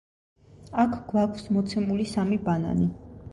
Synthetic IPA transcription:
akʰɡ̥wakʷʰsmɔt̪sʰɛmulisamibana̰ni

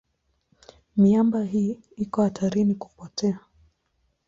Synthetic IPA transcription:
miambaɦiː | ikɔhat̪aɾiniku̥pɔtɛa

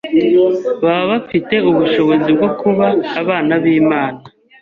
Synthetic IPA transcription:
βaβafite̞uβuʃo̞βo̞zib̚ɡo̞kuβaːβaːnaβiːmaːna

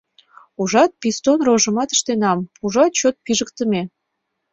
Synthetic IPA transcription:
uʒɑt̪̚pist̪onroʒə̆mɑt̪ə̥ʃt̪enɑmpuʒɑt̪̚t͡ɕot̪̚piʒəkt̪əme

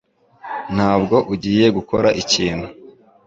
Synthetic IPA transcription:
n̥haːbɡo̞ʔuɟiːje̞ɡuko̞ɾaʔiciːnhu

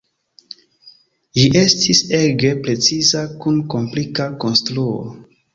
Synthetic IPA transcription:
liʔe̞stʰise̞ɡe̞pɾe̞t͡sizakunko̞mplikako̞nstɾuo̰

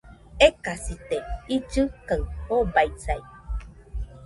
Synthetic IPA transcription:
ekasit̪eid͡ʒɨkaɨhobaisai

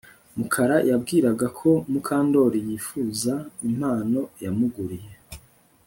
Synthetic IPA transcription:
mukʰaɾajabɡiːɾaɡakʰo̞mukʰaːndo̞ɾijiːfuːzaim̥haːno̞jamuɡuɾije̞

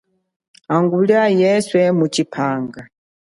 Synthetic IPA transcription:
aŋɡuliajɛswɛmut͡ʃipʰaːŋɡa

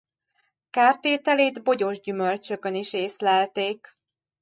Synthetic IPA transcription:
kaːrt̪eːt̪ɛleːd̪bo̞ɟo̞ʒɟymø̞lt͡ʃø̞kø̞niʃeːslɛlt̪eːk

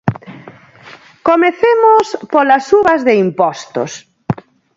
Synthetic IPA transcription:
komeθemospolasuβɐzðeimpɔst̪o̰s

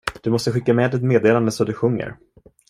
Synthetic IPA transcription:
d̪̥ɵmɔst̪əɧɪkːamɛːd̪ɛt̪meːd̪eːland̪əsɔd̪ɵɧɵŋːə̰ɾ

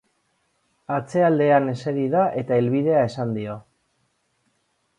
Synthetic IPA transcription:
at͡se̞ald̪e̞ane̞seɾiðaʔe̞t̪ae̞lβið̞e̞ae̞sand̪io̞

